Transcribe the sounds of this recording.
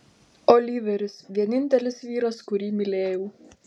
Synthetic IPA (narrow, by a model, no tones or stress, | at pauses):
oːlʲiʋʲɛɾʲʊsʋʲiɛnʲɪnʲt̪ʲɛlʲɪsʋʲiːɾɐskʊɾʲiːmʲɪlʲeːjuː